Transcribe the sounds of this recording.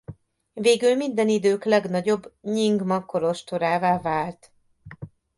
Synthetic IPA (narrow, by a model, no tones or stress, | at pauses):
veːɡylmind̪ɛnid̪øːklɛɡnɒɟo̞bːɲiŋɡmɒko̞ɾo̞ʃt̪oɾaːvaːvaːlt̪